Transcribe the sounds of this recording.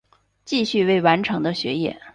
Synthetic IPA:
t͡ɕi˥˧ɕy˥˧we˥˩ɪwa˧˥nʈ͡ʂʰɤ˧˥ŋd̪ə˧ɕɥɛ˧˥jɛ̰˥˩

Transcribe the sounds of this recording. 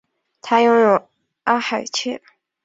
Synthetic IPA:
t̪ʰa˥jʊ˥ŋjo˨˩ʊ | a˥xa˨˩ɪt͡ɕʰɛ˥

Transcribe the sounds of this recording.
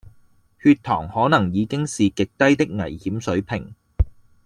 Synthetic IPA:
hyː˧t̪̚ʰɔ̰ː˨˩ŋhɔː˨˥nɐ˨˩ŋjiː˨˧kɪ˥ŋsiː˨kɪ˨k̚t̪ɐ˥jt̪ɪ˥k̚ŋɐ˨˩jhiː˨˥msɵ˨˥ɥpʰɪ˨˩ŋ

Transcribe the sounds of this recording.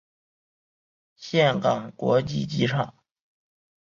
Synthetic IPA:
ɕjɛ˥˩nkɑ˨˩ŋkwɔ̰˧˥t͡ɕi˥˩t͡ɕi˧˥ʈ͡ʂʰɑ˨˩˦ŋ

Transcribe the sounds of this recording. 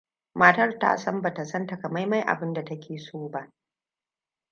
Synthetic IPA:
maː˦tɐ˦rta̰ː˦sɐ˦mba˨ta˨sɐ˦nta˨kɐ˨ma˦jma˦jʔa̰˨bɪ˦nda˨tɐ˦kʲʰeː˨soː˦ba˨

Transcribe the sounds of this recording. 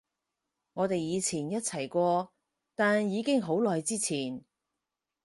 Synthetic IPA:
ŋɔː˨˧t̪e˨jiː˨˧t͡sʰiː˨˩njɐ˥t̚t͡sʰɐ˨˩jkʷɔː˧ | t̪aː˨njiː˨˧kɪ˥ŋɦo˨˥wlɔː˨jt͡siː˥t͡sʰiː˨˩n

